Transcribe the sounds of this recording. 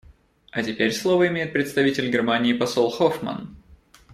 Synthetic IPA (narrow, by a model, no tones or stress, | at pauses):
ɐtʲɪpʲeɾʲslˠovəɪmʲejɪt̪̚pɾʲɪt̪st̪ɐvʲitʲɪlʲɡʲɪrmanʲɪːpɐsolˠxofmə̰n